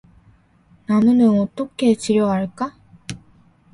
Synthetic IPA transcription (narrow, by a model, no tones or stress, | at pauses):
nanɯnɯnɔt͈ʌkʰe̞t͡ɕiɾjʌɦaɭk͈a